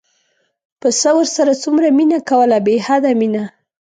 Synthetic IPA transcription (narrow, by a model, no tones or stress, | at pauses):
pəsəwəɾsaɾat͡sumɾaminakawəlabehad̪amina